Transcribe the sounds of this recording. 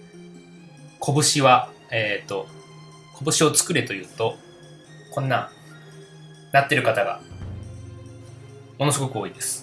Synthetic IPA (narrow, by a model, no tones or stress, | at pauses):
kʰo̞bɯ̟ɕiβa | et̪ːo̞ | kʰo̞bɯ̟ɕio̞t͡sɨ̥kɯ̟ɾet̪o̞jɯ̟ːt̪o̞ | kõ̞nːa | nat̪ːe̞ɾɯ̟kat̪aɡa̰ | mo̞no̞sɨɡo̞kɯ̟o̞ːid̪e̞sɨ̥